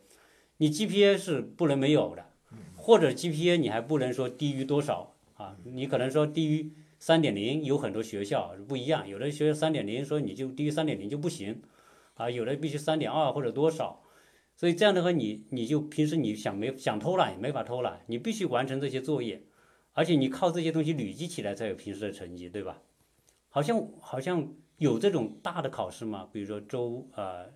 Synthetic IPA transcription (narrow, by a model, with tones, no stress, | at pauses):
ni˨˩t͡ɕi˥pʰi˥ɛ˥ʂɻ̩˥˧pu˥˩lə˧˥nme˧˥ɪjo˨˩ʊd̪ə˦ | xwɔ˥˩ʈ͡ʂɤ˨˩t͡ɕi˥pʰi˥ɛ˥ni˨˩xa˧˥ɪp̬u˥˩lə˧˥ŋʂwɔ˥t̪i˥y˥t̪wɔ˥ʂɑ˨˩˦ʊ | a˧ni˧˥kʰɤ˨˩ɤ˧˥ŋʂwɔ˥t̪i˥˩y˥ | sa˥nt̪jɛ˨˩nli˧˥njo˧˥ʊxə˨˩nt̪wɔ˥ɕɥɛ˧˥ɕjɑ˥˩ʊ˥˩pu˥˩i˧˥jɑ˥˩ŋjo˨˩ʊd̪ə˦˥˩ɕɛ˧˥ɕjɑ˥˧ʊsa˥nt̪jɛ˨˩nli˧˥ŋʂwɔ˥ni˨˩t͡ɕjo˥˧ʊt̪i˥˧y˥sa˥nt̪jɛ˨˩nli˧˥ŋt͡ɕo˥˧ʊp̬u˥˩ɕi˧˥ŋ | a˥˧jo˨˩d̪ə˧o˥˧˩pi˥˩ɕy˥sa˥nt̪jɛ˨˩nɐ˞˥˧xwɔ˥˩ʈ͡ʂɤ˨˩t̪wɔ˥ʂɑ˨˩˦ʊ | swɔ˥i˨˩ʈ͡ʂɤ˥˧jɑ˥˩ŋd̪ə˧˥xwa˧˥ni˨˩˦ni˨˩t͡ɕjo˥˩ʊpʰi˧˥ŋʂ̬ɻ̩˧˥ni˨˩ɕjɑ˨˩ŋme˧˥ɪɕjɑ˨˩ŋt̪ʰo˥ʊla˧˥ɪni˨˩me˧˥fa˨˩t̪ʰo˥ʊla̰˧˥ɪni˨˩pi˥˩ɕy˥wa˧˥nʈ͡ʂʰɤ˧˥ŋʈ͡ʂɤ˥˩ɕjɛ˥t͡swɔ˥˧jɛ˥˩ | ə˞˧˥t͡ɕʰjɛ˧˥ni˨˩kʰɑ˥˧ʊʈ͡ʂɤ˥˩ɕjɛ˥t̪ʊ˥ŋɕ̬i˧ly˨˩t͡ɕi˥t͡ɕʰi˨˩la˧˥ɪt͡sʰjo˨˩ʊpʰi˧˥ŋʂɻ̩˧˥d̪ə˨ʈ͡ʂʰɤ˧˥ŋt͡ɕi˥t̪we˥˩ɪbɐ̰˩ | xɑ˨˩ʊɕ̬jɑ˥˧ŋxɑ˨˩ʊɕjɑ˥˩ŋ | jo˨˩ʊʈ͡ʂɤ˥˩ʈ͡ʂʊ˨˩ŋt̪a˥˩d̪ə˩kʰɑ˨˩ʊʂɻ̩˥˩mɐ˩pi˨˩ɻu˧˥ʂwɔ˥ʈ͡ʂo˥ʊə˧